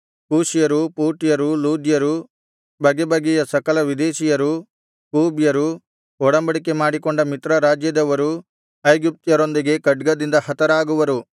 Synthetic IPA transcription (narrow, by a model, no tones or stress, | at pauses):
kuːʃijɐɾupuːɾʈijɐɾuluːd̪jɐɾu | bɐɡebɐɡɛjɐsɐkɐlɐʋid̪eːʃijɐɾu | kuːbjɐɾu | ɔɽɐmbɐɽikemaːɽikoɳɖɐmit̪ɾɐɾaːd͡ʒjɐd̪ɐʋɐɾu | ɐjɡip̚t̪jɐɾo̞nd̪iɡe̞kɐɖɡɐd̪ind̪ɐhɐt̪ɐɾaːɡuʋɐɾu